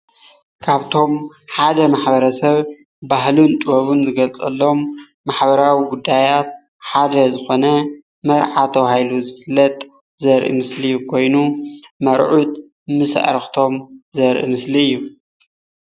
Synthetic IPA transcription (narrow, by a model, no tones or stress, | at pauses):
kʰaβt̪ʰo̞m | ħad̪ɐmaħbɐɾɐsɐβ | bahlunt̪ʼɨwɐβunzɨɡɐlt͡sʼɐlːomː | aħbɐɾawiɡud̪ːajat̪̚ | ħad̪ɐzɨxo̞nɐ | mɐɾʕat̪ʰɐwhajluzɨfɨlːɐt̪ʼ | zɐɾʔḭmɨslijːukʰo̞jnumɐɾʕut̪ | mɨsʔɾxt̪ʰo̞mzɐɾʔḭmɨsliɨjːu